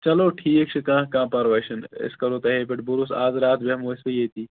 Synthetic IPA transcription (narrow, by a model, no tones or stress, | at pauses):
t͡ʃɐloːʈʰiːek̚t͡ʃʰikãːɦkãːpɐɾʋɐʃɐnɪ̰skɐɾoːt̪ɐɦeːpeʈbuɾusaːzɾaːt̪ʰbɐɦmoːɪsɐjeːt̪iː